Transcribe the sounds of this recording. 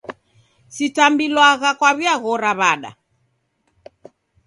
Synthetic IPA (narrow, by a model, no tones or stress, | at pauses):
sitambilwaɣakwaβiaɣɔɾaβaɗa̰